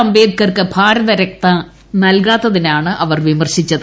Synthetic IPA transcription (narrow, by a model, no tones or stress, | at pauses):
ɐmbeːd̪̚kɐrkɨbʱaːɾɐðɐɾɐk̚t̪ɐ | nɐlkaːt̪ːɐðinaːɳɨʔɐʋɐrʋimɐrɕit͡ɕːɐðɨ